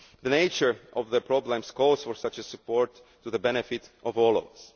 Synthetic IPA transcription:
ðəneɪt͡ʃə˞ʔɔvðəpʰɹɔblɛ̃mskɔz̥fɔɹsat͡ʃəsɨpɔɹtː | uðəbɛnɛfɪtʔɔvɔlˠɔ̰və̰s

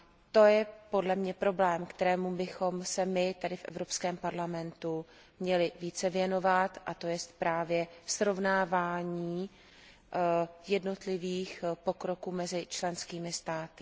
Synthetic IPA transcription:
t̪o̞jɛpo̞dlɛmɲɛpɾo̞blɛːmkt̪ɛɾɛːmubɪxo̞msɛmɪt̪adɪfʔɛ̰vɾo̞pskɛːmpaɾlamɛnt̪u | mɲɛlɪviːt͡sɛvjɛno̞vat̪ʔat̪o̞jɛst̪̚pɾaːvjɛsɾo̞vnaːvaːɲiː | jɛdno̞t̪lɪviːxpo̞kɾo̞kuːmɛzɪt͡ʃlɛnskiːmɪst̪aːt̪ɪ̥

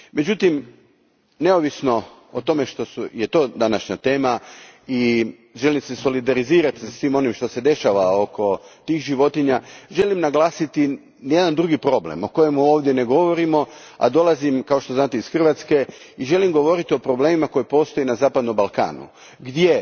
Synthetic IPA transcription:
me̞d͡ʑut̪im | ne̞oʋisno̞ | ot̪o̞me̞ʃt̪o̞suje̞t̪o̞ːd̪anaʃɲat̪e̞ːmai | ʒe̞limseso̞lid̪aɾiziːɾat̪i̥sasʋiːmo̞nimʃt̪o̞se̞d̪e̞ʃaʋao̞kʰo̞t̪iːxʒiʋo̞t̪iɲaʒe̞limnaɡlaːsit̪i | njed̪and̪ɾuɡipɾo̞blḛmo̞ko̞je̞muo̞ːʋd̪jene̞ɡo̞ʋoɾimo̞a̰d̪o̞lˠazimkao̞ʃt̪oznaːt̪iisxr̩ʋat̪ske̞ | iʒe̞limɡo̞ʋo̞ɾit̪io̞pɾo̞bleːmimakojepo̞ːst̪o̞jenazaːpad̪nombalˠka̰ːnṵ | ɡd̪je

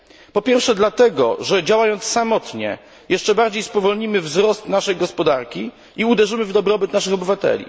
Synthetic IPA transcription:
pɔpʲjɛɾfʂɛd̪lat̪ɛɡɔ̰ʐɛd͡ʑawajɔnt̪ssamɔt̪ɲɛ̰ | jɛʂt͡ʂɛbaɾd͡ʑejspɔvɔlɲimɘvzɾɔst̪naʂɛjɡɔspɔd̪aɾkʲi | ʔiud̪ɛʐɘmɘvd̪ɔbɾɔbɘt̪naʂɘxɔbɘvat̪ɛ̰lʲḭ

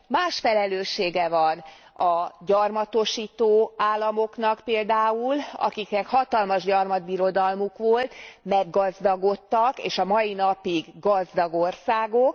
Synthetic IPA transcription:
maːʃfɛlɛløːʃːeːɡɛvɒn | ɒɟɒrmɒt̪o̞ʃiːt̪oːaːlːɒmo̞knɒkpeːld̪aːulɒ̰kiknɛkhɒt̪ɒlmɒʒɟɒrmɒd̪̚biɾo̞d̪ɒlmukʋo̞lt̪mɛɡːɒzd̪ɒɡo̞t̪ːɒkḛːʃɒmɒjinɒpiɡɡɒzd̪ɒɡo̞rsaːɡo̞k̚

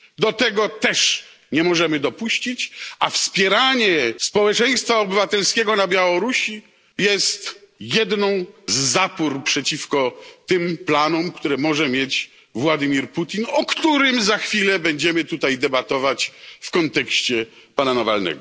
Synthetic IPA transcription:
d̪ɔt̪ɛɡɔt̪ɛʂ | ɲɛmɔʐɛmɘd̪ɔpuɕt͡ɕit͡ɕʔa̰fspʲjɛɾaɲɛspɔwɛt͡ʂɛj̃st̪faɔbɘvat̪ɛlskʲɛɡɔnabʲjawɔɾuɕi | jɛst̪jɛd̪nɔ̃w̃zːapuɾpʂɛt͡ɕifkɔt̪ɪmplanɔmkt̪uɾɛmɔʐɛmʲjɛt͡ɕ | vwad̪ɨmʲiɾput̪ʲinɔkt̪uɾɘmzaxfʲilɛbɛɲd͡ʑɛmɘt̪ut̪ajd̪ɛbat̪ɔvat͡ɕfkɔnt̪ɛkɕt͡ɕɛ | pananavalnɛ̰ɡɔ

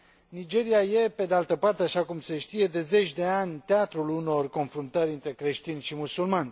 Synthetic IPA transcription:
nid͡ʒe̞ɾiaje̞pe̞d̪ealt̪əpart̪eaʃakumse̞ʃt̪ije̞d̪e̞ze̞t͡ʃʲd̪e̞anʲt̪eat̪ɾuluno̞rko̞nfɾunt̪əɾʲɨnt̪ɾe̞kɾe̞ʃt̪inʃimusulmanʲ

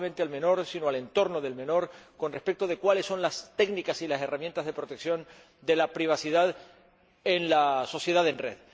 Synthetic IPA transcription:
ment̪ealme̞no̞ɾsinoale̞nt̪o̞ɾno̞ðe̞lmẽ̞no̞ɾko̞nrespe̞k̚t̪oð̞e̞kwale̞sːo̞nlast̪e̞ɡnikasilase̞ramjent̪azðe̞pɾo̞t̪e̞ksjo̞n | d̪e̞lapɾiβ̞asiðað | enlaso̞sje̞ð̞aðe̞nrḛð

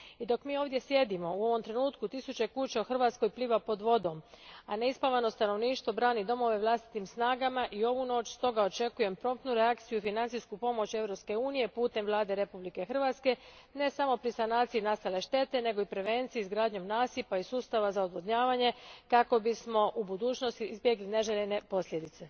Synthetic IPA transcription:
id̪o̞kmiːo̞ʋd̪je̞sje̞d̪imo̞uo̞ʋo̞mt̪ɾe̞nuːt̪kut̪isut͡ɕe̞kuːt͡ɕaoxr̩ʋaːt̪sko̞jpliːʋapo̞d̪ʋo̞d̪o̞mane̞ispaʋano̞st̪ano̞ʋniːʃt̪ʋo̞bɾaːnid̪o̞mo̞ʋe̞ʋlˠast̪i̥t̪imsnaːɡamaʔio̞ʋuno̞ːt͡ʃst̪o̞ɡao̞t͡ʃe̞kuje̞mpɾo̞mp̪nuɾeakt̪sijuifinant̪sijskupo̞mo̞t͡ɕe̞ʋɾo̞pske̞uːnije̞puːt̪e̞mʋlˠaːd̪e̞ɾepublike̞xr̩ʋat̪ske̞ | ne̞samo̞pɾisanaːt̪siinast̪ale̞ʃt̪e̞t̪e̞ne̞ɡo̞ipɾe̞ʋe̞nt̪siiizɡɾaːd̪ɲo̞mnaːsipaisuːst̪aʋazaod̪ʋod̪ɲaːʋaɲe̞kako̞bismo̞ʔubud̪uːt͡ʃnost̪iizbje̞ɡline̞ʒeʎene̞po̞sʎʲje̞d̪it̪se̞

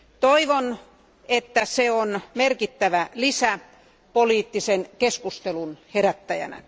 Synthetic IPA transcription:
t̪oiʋon | et̪ːæseonmerkit̪ːæʋælisæ | poliːt̪ːisenkeskust̪elunheɾæt̪ːæjæ̰næ̰

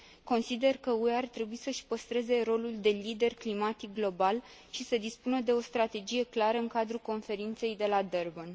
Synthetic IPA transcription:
ko̞nsid̪e̞rkəueart̪ɾe̞buisəʃpəst̪ɾe̞ze̞ɾo̞luld̪e̞lid̪e̞rklimat̪ik̚ɡlo̞bal | ʃisəd̪ispunəd̪e̞o̞st̪ɾat̪e̞d͡ʒije̞klaɾəɨŋkad̪ɾuko̞nfe̞ɾint̪se̞jd̪e̞lad̪erbən

